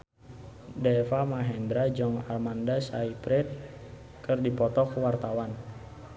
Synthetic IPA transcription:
dɛfamaɦɛnd̪ɾad͡ʒɔŋa̰rmandasaipɾɛt̪̚ | kərdipɔt̪ɔkwart̪awan

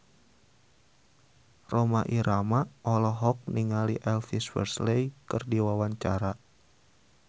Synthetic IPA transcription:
romaʔiɾʔamaʔɔlɔɦɔk̚niŋaliʔɛlfiswɛ̰rslejkɨrdiwawaɲt͡ʃa̰ɾa

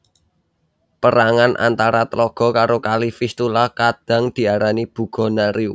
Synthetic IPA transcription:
pəɾaŋanʔa̰nt̪aɾat̪əlɔɡ̥ɔ̤kaɾokalifist̪ulahkad̪̥ä̤ŋd̪̥i̤aɾanib̥ṳɡ̥ɔ̤naɾiu

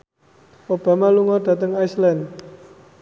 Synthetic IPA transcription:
ob̥a̤maluŋɔɖ̥ä̤t̪əŋaislan

